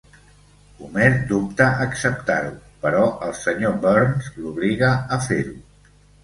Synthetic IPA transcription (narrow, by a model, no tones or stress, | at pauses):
umezd̪up̚t̪əʔəksəp̚t̪a̰ɾupəɾɔʔəlˠsəɲobɔɾnzluβ̞liɣəəfeɾu